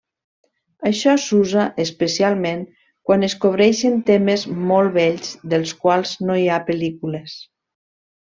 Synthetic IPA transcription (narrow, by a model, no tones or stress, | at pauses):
əʃɔsuzaʔespəsialˠmeŋ | kwanəskoβ̞ɾɛʃənt̪emezmolˠβɛʎzðəlˠskwalˠznoiapəlikules